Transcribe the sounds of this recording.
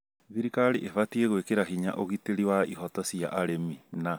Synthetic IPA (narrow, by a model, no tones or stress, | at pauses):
ðiɾikaɾiʔefatieɣwekeɾaɦiɲa̰ʔoɣiteɾiwaḭɦɔtɔsia̰ʔaɾemina